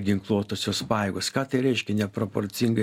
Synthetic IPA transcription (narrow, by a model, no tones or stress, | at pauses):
ɡʲɪŋklˠuɔt̪oːsʲoːspɑːjeːɡoːskɑːt̪ɐɪɾʲɛɪʃʲkʲɛnʲɛpɾopoɾʲt͡s̪ʲɪŋɡɐ